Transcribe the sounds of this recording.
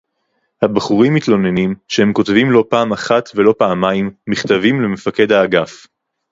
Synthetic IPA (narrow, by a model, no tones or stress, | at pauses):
habaχuʁimːit̪lo̞ne̞nimʃehe̞mko̞t̪vimlo̞paːmaχat̪velo̞paːmaimːiχt̪avimleme̞fake̞d̪haːɡaf